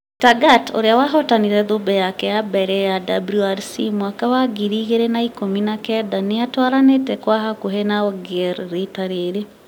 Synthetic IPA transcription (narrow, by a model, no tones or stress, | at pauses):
taɡato̰ɾeawaɦɔtaniɾɛðobɛjakɛjabɛɾɛjadabɾuaɾsḭmwakawaɡiɾiːɣeɾenaikominakɛdaneatwaɾanetɛkwaɦakoɦenaɔɡɛɾɾetaɾeːɾe